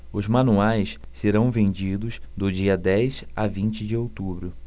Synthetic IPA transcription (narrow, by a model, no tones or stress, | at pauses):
ʊzmɐ̃nuajs | seɾɐ̃w̃vẽnd͡ʒid̪ʊsd̪ʊd͡ʒiɐd̪ɛjsavĩnt͡ʃɪd͡ʒɪowt̪ubɾʊ